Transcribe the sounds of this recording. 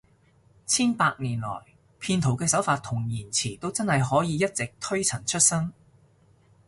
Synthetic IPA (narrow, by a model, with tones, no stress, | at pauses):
t͡sʰiː˥npaː˧k̚niː˨˩nlɔ̰ː˨˩j | pʰiː˧nt̪ʰo˨˩wkɛː˧sɐ˨˥wfaː˧t̪ʰʊ˨˩ŋjiː˨˩nt͡sʰiː˨˩t̪o˥wt͡sɐ˥nhɐ˨jɦɔː˨˥jiː˨˧jɐ˥t̚t͡sɪ˨k̚t̪ʰɵ˥ɥt͡sʰɐ˨˩ŋt͡ʃʰɵ˥t̚sɐ˥ŋ